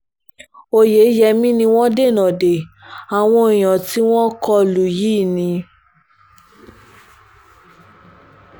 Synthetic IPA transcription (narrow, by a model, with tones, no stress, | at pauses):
o˧je˨˦jɛ˧mĩ˦nĩ˧w̃ɔ̃˦de˦˨nã˨de˨a˨w̃ɔ̃˧i˨j̃ã˨ti˦w̃ɔ̃˦kɔ˧lu˨jiː˦˨nĩ˧